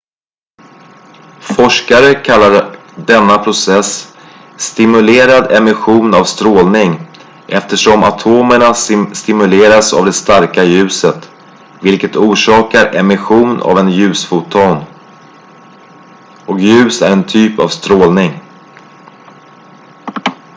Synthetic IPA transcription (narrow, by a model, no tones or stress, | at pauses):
fɔʂkaɾəkʰalːaɖɛnːapʰɾʊsɛsː | t̪ɪmɵleːɾad̪ɛmɪɧuːnavst̪ɾoːlnɪŋ | ʔɛft̪əʂɔma̰t̪ʰoːməɳasst̪ɪmɵleːɾasa̰vd̪ɛst̪aɾkajʉ̟ːsət̪ | vɪlkət̪uːʂɑːkaɾʔɛmɪɧuːna̰vɛnjʉ̟ːsfʊt̪ʰoːn | ɔkjʉ̟ːsæ̰ɾɛnt̪ʰyːpa̰vst̪ɾoːlnɪŋ